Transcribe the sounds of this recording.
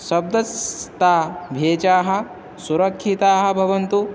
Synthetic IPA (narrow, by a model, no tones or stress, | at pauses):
ʃɐb̚d̪ɐst̪aːbʱeːt͡ʃaːɦɐ̆ | suɾɐkʰʃit̪aːɦɐ̆bʱɐʋɐnt̪u